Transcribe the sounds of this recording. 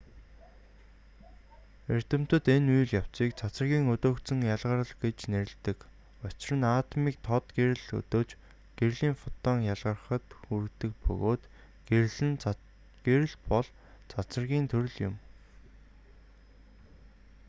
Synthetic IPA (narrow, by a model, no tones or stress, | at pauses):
er̥ʲt̪ɘ̆m̥t̪ɘ̆t̪enujɮjaw̥t͡siːk̚t͡sʰat͡sə̆rɣʲiːŋɵt̪oːk̪t͡sɘ̆ŋjaɮʁə̆ɾə̆ɮɡet͡ɕneɾɘ̆ɮt̪ɘ̆k | ʊt͡ɕrə̆naːt̪miːk̚t̪ʰɔt̪ɡeɾɘ̆ɮɵ̰t̪oːt͡ɕ | ɡ̥erɮiːŋfʊt̪ɔːŋjaɮʁə̆rəχə̆t̪xur̆kt̪ɘ̆k̚pɵ̰ɣoːt̪ | ɡeɮɘ̆n | ɡ̥eɾɘ̆ɮpɔɮ | t͡sʰat͡sə̆rɣʲiːnt̪ʰɵɾɵ̆ɮjʊm